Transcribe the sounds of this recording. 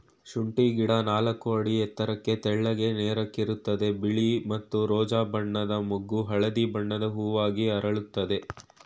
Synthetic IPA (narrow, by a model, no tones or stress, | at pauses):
ʃuɳʈiɡiɽɐnaːlɐkːuɐɽiɛt̪ːɐɾɐkːe̞t̪ɛɭːɐɡe̞neːɾɐkːiɾut̪ːɐd̪e̞biɭimɐt̪ːuɾɔːd͡ʒaːbɐɳːɐd̪ɐmoɡːuɦɐɭɐd̪ibɐɳːɐd̪ɐɦuːʋaːɡiɐɾɐɭut̪ːɐd̪e̞